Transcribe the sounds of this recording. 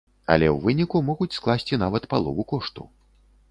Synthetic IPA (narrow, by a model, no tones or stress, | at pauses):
ɐ̰lʲɛwvɨnʲikumɔɣut͡sʲsklˠasʲt͡sʲinavɐt̪palˠɔvukɔʂt̪ṵ